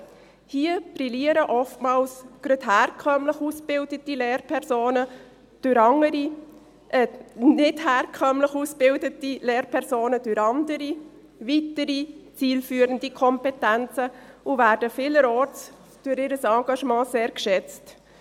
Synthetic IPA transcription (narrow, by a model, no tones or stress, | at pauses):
hiːəbriliəɾəʔɔftmɑːlsɡ̥ɾøthæːɾkʰœmləχusb̥ɪldətileːɾpʰɛɾsoːnə | d̥ʊɾɑŋəɾi | ʔɛnɪthæːrkʰœmləχusb̥ɪldətileːɾpʰɛɾsoːnəd̥ʊɾɑndəɾi | vitəɾit͡siːlfyːəɾəndikʰɔmpɛtænt͡səʊvæːɾd̥əfɪːləɾɔːɾt͡s | d̥ʊɾɪːɾəsɑɡ̥ɑʃmɑ̃ːseːɾkʃɛt͡st